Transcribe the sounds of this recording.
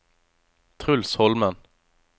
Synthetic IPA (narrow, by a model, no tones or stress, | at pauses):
t̪ʰʁʉlshɔlmən